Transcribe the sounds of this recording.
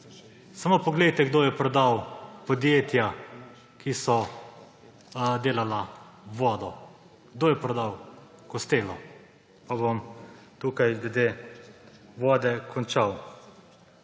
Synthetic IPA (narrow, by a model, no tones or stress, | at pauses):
samoːpɔɡlejt̪ɛɡd̪oːjɛpɾɔd̪awpɔd̪jeːt̪ja | kʰisɔ | d̪eːlalaʋɔːd̪ɔ | ɡd̪oːjɛpɾɔd̪aw | kɔst̪eːlɔ | pabom | t̪uːkajɡlɛd̪eː | ʋɔːd̪ɛkʰɔnt͡ʃaw